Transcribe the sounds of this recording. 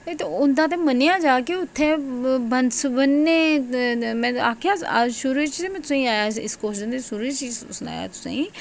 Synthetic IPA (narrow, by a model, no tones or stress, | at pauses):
et̪eʊnd̪ãːt̪̬eːmənejãːd͡ʒaːkeʊt̪ʰːẽːbənsbənːeː | mɛ̃ːaːkʰjaːʃʊɾut͡ʃ̪ːemɛ̃ːt̪ʊsãːĩaːjaːɪ̰skoːd͡ʒənd̪eːʃʊɾit͡ʃisʊna̰ːja̰ːt̪ʊ̥sã̰ːĩː